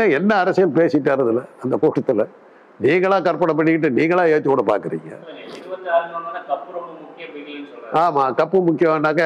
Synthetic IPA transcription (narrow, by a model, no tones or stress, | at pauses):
eɛnːɐːɾɐsɪjɐlpeːsɪʈːaːɾɐðɪlɐɐnd̪ɐkuːʈːɐt̪ːɪlɐ | niːŋɡɐɭãːkɐɾpɐɽɐp̬ːɐɳːɪkːɪʈ̬ːɯniːŋɡɐɭãːeːðt͡ʃ̪ːkuːɽɐpa̰ːɾkɯɾḭːŋɡɐ̰ɐaɾɐankɐpːɾɐɽɯmʊkːɪjɐʋenɪnːɔaːmaːkɐpːɯmʊkːɪjɐmɐnːaːk̬ːɐ